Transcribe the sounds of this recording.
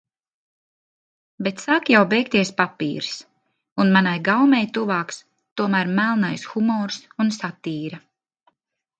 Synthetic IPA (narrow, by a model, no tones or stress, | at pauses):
bet̪sakjawbɛjkt̪iɛspapḭːɾs | unmanajɡawmɛjt̪uvaːks | t̪uɔmæːɾmælˠnajsxumɔːɾsunsat̪iːɾa